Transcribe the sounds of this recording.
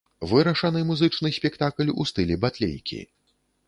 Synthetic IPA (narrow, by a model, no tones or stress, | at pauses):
vɨɾɐʂɐnɨmuzɨt͡ʂn̪ɨsʲpʲɛkt̪aklʲṵst̪ɨlʲɛbat̪lʲḛjkʲʰḭ